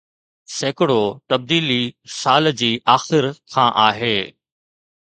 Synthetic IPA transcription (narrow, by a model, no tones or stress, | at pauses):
seːkɪɽot̪ɐb̚d̪iːlisaːld͡ʑiːʔaːxɪɾkʰãːʔaːɦeː